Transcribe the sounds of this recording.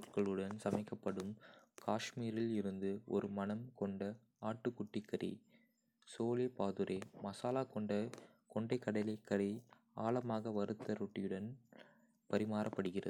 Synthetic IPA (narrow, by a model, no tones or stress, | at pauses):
ɾkɐɭɯɽɐnsɐmɐɪkːɐpːɐɽɯmkʰaːʂmiːɾɪlɪɾɯnd̪ɯɔ̰ɾɯmɐnɐmkɔɳɖɐ | aːʈːɯkːʊʈːɪkːɐɾḭ | soːlepaːðɯɾʔeːmɐsaːlaːkɔɳɖɐ | kɔɳɖɐɪkːɐɽɐɪlɐkːɐɾi | a̰ːlɐmaːɣɐʋɐɾɯt̪ːɐɾɔʈːɪjɯɽɐn | pɐɾɪmaːɾɐpːɐɽɯɣɪrɐ̰ð